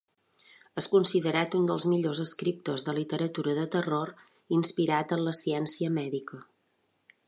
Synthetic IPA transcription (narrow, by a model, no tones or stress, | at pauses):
əskunsiðəɾat̪und̪əlˠzmiʎozəskɾip̚t̪əzðəlit̪əɾət̪uɾəðət̪əroɾ | inspiɾat̪ənləsiɛnsiəmɛðikə